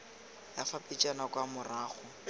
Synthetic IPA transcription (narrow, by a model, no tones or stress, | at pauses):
jafapʼit͡ʃʼanakʼwamʊraːχʊ